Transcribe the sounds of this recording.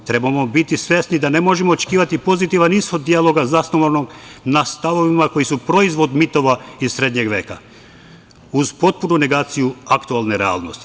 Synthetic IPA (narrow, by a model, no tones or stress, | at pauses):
t̪ɾe̞bamobit̪isʋʲjesnid̪ane̞mo̞ʒemoːt͡ʃe̥kiːʋat̪ipo̞zit̪iʋanisxo̞d̪ːijalˠo̞ɡazasnoʋoɾnoɡnast̪aʋo̞ʋimako̞jisupɾo̞izʋo̞d̪mit̪o̞ʋaiz̥sɾe̞ːd̪ɲe̞ɡʋe̞ːka̰ | uzpo̞t̪̚punune̞ɡaːt̪sijuakt̪ualneɾea̰ːlˠnost̪i̥